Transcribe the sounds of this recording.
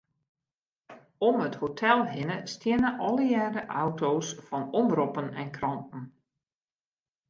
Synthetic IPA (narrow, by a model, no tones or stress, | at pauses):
ɔməthotʰɛlˠɦɪnəstɪənəʔɔlˠəjɛːɾəʔawtoːsfɔnɔmbrɔpənɛ̰nkrɑntn̩